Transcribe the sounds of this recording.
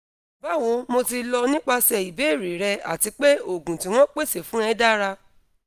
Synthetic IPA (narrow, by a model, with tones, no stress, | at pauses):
ba˦˨w̃ɔ̃˧mo˧ti˧lɔ˧nĩ˦k͡pa˧sɛ˨i˨be˨˦˨ɾi˨˦ɾɛ˧a̰˨ti˧k͡pe˦o˦˨ɡũ˨ti˨w̃ɔ̃˦k͡pe˦˨se˨fũ˨˦ɛ̃˧˦da˦ɾa˧